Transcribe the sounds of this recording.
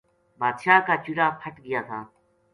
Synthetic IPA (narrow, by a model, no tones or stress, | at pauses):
baːd̪ʃaːkaːt͡ʃuɾaːpʰəʈɡɪjaːt̪ʰaː